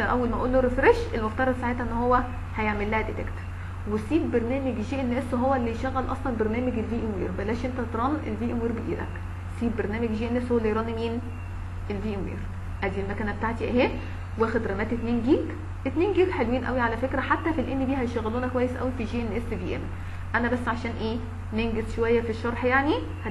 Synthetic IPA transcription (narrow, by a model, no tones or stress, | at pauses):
ʔæ̰wːælmæʔolːoɾefɾeʃʔelmoft̪ɑɾˤɑd̪ˤsaʕet̪æʔenːhowːæ | hæjeʕmelːæːhæd̪et̪ḛkt̪ | wesiːb̚beɾnæːmeɡʒiːʔenːæːswɦowːælːijʃæɣːælʔɑ̰sˤlɑnbeɾnæːmeɡelviːʔemwḭːɾbælæːʃʔent̪æt̪ɾˤɑːnʔḛlviːʔemwiːɾbed̪ḭːlæ̰k | siːb̚beɾnæːmeɡʒiːʔenːæːshowælːejɾˤɑːnimiːn | ʔelviːʔemwḭːɾ | ʔæd̪iːlmækæːnæbet̪aʕt̪iʔæhe | wæxed̪ɾˤæmæːt̪et̪neːnɡiːɡ | ʔet̪neːnɡiːɡħelwiːnʔæ̰wiʕalæfekɾæħat̪ːæfilʔenːibiːhæjeʃt̪æɣːæluːnækowæjːesʔæ̰wifiʒiːʔenːæːsevḭːʔḛm | ʔænæbæsːʕaʃæːnʔeː | neŋɡesʃowæjːæfiʃːɑɾˤħjaʕni | hæ